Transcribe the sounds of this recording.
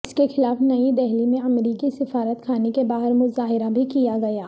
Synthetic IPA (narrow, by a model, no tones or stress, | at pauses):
ɪskexɪlaːfnɐid̪ɛɦlimẽɐmɾiːkisɪfaːɾət̪kʰaːnekebaːɦɪɾmʊzaːɦɪɾabʱikijaɡɐjaː